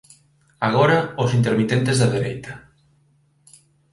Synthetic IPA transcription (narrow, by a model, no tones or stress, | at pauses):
aɣɔɾaosint̪eɾmit̪ent̪ezðɐðeɾejt̪ɐ